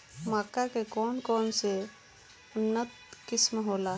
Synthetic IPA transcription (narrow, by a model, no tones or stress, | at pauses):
maːkːakekɔnkɔnse | ʊnːət̪̚ | kɪsmɦoːla